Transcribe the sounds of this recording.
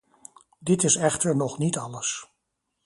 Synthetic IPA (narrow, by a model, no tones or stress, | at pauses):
dɪtɪsɛχtəɹnɔχnitɑləs